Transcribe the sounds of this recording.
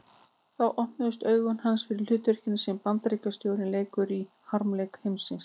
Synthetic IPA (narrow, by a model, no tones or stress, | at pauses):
θawʔɔhnʏðʏst̪œːɥɣʏnhansfɪɾɪɾlʏːt̪vɛr̥cɪnʏsɛmpant̪ɾiːkast̪jowɾɪnleːjkʏɾi | haɾmlejkhejmsɪns